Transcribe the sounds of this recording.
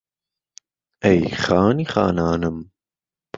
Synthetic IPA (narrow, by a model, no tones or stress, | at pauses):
ɛjχaːniχa̰ːnaːnəm